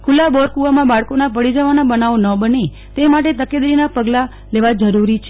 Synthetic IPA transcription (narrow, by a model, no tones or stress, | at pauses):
kʰulabɔɾkuʋamãbaɭkonapəɽid͡ʒəʋanabənaʋonəbəne | t̪emaʈ̬et̪əked̪ɾinapəɡla | leʋad͡ʒəɾuɾit͡ʃʰe